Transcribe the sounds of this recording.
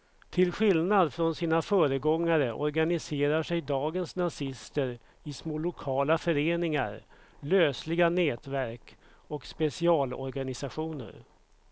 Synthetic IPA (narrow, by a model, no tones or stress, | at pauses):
t̪ʰɪlɧɪlnad̪fɾɔnsiːnafœːɾəɡɔŋːaɾəʔɔ̰ɾɡanɪseːɾaʂɛjd̪ɑːɡənsnasɪst̪əɾ | ɪsmoːlʊkʰɑːlafœɾeːnɪŋa̰ɾløːslɪɡanɛːt̪væɾk | ɔkspɛsɪɑːlɔ̰ɾɡanɪsaɧuːnə̰ɾ